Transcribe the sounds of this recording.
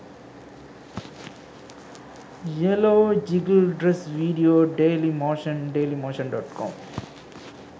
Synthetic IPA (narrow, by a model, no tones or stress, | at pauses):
jɛloːd͡ʒɪɡəlɖɾɛsʋiːɖioːɖeːlimoːʃɐ̃nɖeːlimoːʃɐ̃nɖɔːʈkʰɔ̰̃ːm